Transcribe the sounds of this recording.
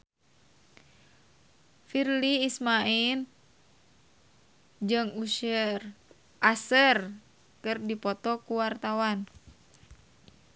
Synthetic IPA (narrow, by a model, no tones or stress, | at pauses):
firliːsmail | d͡ʒɨŋuʃər | ʔasər | kɨrdipɔt̪ɔkuwart̪awan